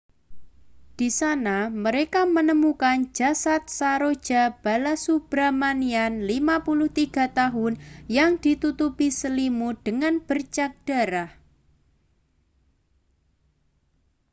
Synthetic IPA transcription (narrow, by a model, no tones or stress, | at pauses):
d̥i̤sanaməɾekamənəmukand͡ʒ̥a̤sat̪̚saɾo̥d͡ʒ̥a̤b̥alasub̥ɾamanianlimapulʊht̪iɡ̥a̤t̪aɦʊnjaŋd̥it̪ut̪upisəlimud̥əŋanb̥ərt͡ʃak̚d̥a̤ɾah